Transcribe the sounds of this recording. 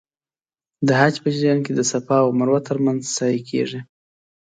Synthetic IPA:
d̪əɦad͡ʒpəd͡ʒiɾjɑnked̪əsapɑawmaɾwat̪əɾmanzsɑjikʰḛʐi

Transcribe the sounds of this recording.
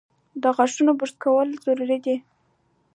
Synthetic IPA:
d̪əɣaʂunobʊʂt̪̚kawəlzoɾɾid̪i

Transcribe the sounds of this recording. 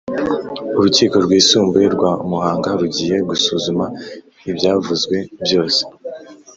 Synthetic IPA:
uɾuciːko̞ɾɡwiːsuːmbe̞ɾɡwamuhaːŋɡaɾuɟiːje̞ɡusuːzuma | ibjaːvuzɡwe̞bjo̞ːse̥

